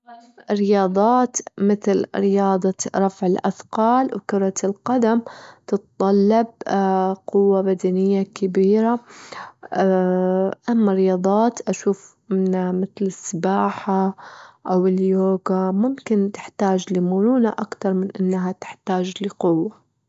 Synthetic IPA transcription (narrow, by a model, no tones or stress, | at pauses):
ʔaɾɪjɑːd̪ˤɑːt̪mɪθlɾɪjɑːd̪ˤɑɾˤɑfʕɪlʔa̰θqɑːlwkʊɾˤɑɪlqad̪amt̪ɨt̪t̪ˤːɑlːɑb̚ | qʊwːabad̪anɪjːakabiːɾa | ʔamːaɾɪjɑːd̪ˤɑːt̪ʔaʃuːf | ɪnamɪθlɪsːɪbaːħaʔawɪljoːɡamʊmkɪnt̪ɪ̥ħt̪aːd͡ʒlɪmʊnuːnaʔakt̪ɑɾˤmɪnʔɪnːɦat̪ɪ̥ħt̪aːd͡ʒlɪqʊwːa